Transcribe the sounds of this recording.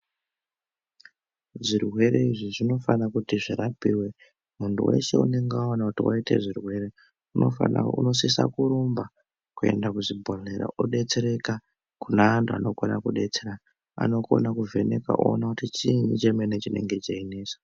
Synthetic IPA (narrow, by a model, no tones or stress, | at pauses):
ʐirɦwe̞ɾeiʐiʐino̞fanakutiʐiɾapiːwe | muntṵwe̞̰ʃe̞ṵne̞ŋɡeaonakutiwʔa̰ite̞̰ʐirwe̞ɾe | uno̰aṵno̞sisa̰kuɾomba | kue̞̰ndakuzibʱoɮeɾa̰ʔoɗe̞t͡se̞ɾe̞ka | kunaantʰua̰no̞konakuɗe̞t͡seɾa | a̰no̞ko̞̰nakuvʱe̞neka̰ʔo̰ːnakutit͡ʃinit͡ʃemenet͡ʃine̞̰ŋɡe̞d͡ʒaineːsḁ